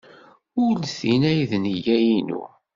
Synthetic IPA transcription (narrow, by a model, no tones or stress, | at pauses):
ʊɾlθinæjðnijæjinṵ